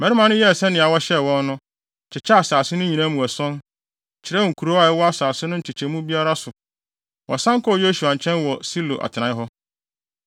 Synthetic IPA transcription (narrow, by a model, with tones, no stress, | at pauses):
mɛ˨˦ɾi˦mã˨˦nʊ̃˦jɛ˦˨sɛ˦nɪ̃˨a˨wɔ˦ɕɛ˦˨wɔ̃˦nːʊ̃˦ | t͡ɕʰɪ˨t͡ɕʰa˦a˨saː˨sɪ˦nʊ̃˦ɲĩ˨nã˦mũ˨æ˨sɔ̃˦n˨ | t͡ɕʰɪ˨ɾɛ˦wɔ˨ŋ̩˨kʰu˨ɾo˦a˨ɛ˦wɔ˦a˦saː˨sɪ˦nʊ̃˦˨t͡ɕʰɪ˨t͡ɕʰɛ̃˨mũ˦bi˦a˦ɾa˦sʊ˨ | wɔ̰˨sã˦ŋ˦kʰɔ˦˨jo˦su˨a˨ɲ˨t͡ɕʰɛ̃˦nwɔ˨si˦lo̰˨ʔa̰˨tʰɪ˨ã˨˦ɦɔ˦